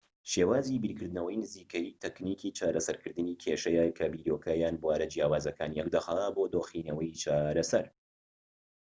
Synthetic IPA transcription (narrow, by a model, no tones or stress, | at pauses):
ʃeːwaːzibiɾkʰɨɾd̪ɨnɐwɐjnɨziːkɐjiːt̪ɛkniːkʰiːt͡ʃaːɾɐsɐɾkʰɨɾd̪ɨniːkʰeːʃɐjaːjkʰɐbiːd̪oːkʰajaːnbwaːɾɐd͡ʒijaːwaːzɐkʰaːnijɛk̚d̪ɐxɐaboːd̪oːxiːnɐwɐjt͡ʃʰaːɾɐsɐɾ